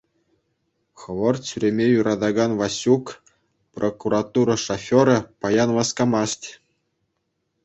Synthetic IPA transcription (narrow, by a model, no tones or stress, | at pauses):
xɤ̆ʋɤ̆rsʲyɾʲemʲejuɾʔɑd̪ɑɡɑnʋɑsʲuk | prʔokuɾɑt̪uɾɤ̆ʂofʲoɾɤ̆pɑjɑnʋɑskɑmɑsʲtʲ